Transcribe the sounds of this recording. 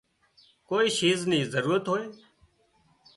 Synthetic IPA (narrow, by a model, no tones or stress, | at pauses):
koːiːʃiːznĩːzəɾuːɾət̪ɦoːeː